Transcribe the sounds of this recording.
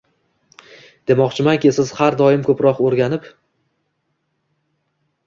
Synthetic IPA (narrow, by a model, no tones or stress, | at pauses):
d̪̥emɒqt͡ʃʰɪmankʲɪsɪz̥haɾd̪ɒɪmkʰɵpɾɒqoɾɡʲanɪp